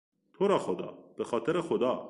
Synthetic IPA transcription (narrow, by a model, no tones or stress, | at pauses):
t̪ʰoɾɒxod̪ɑ̰ːb̥exɒːt̪ʰeɾexod̪ɑː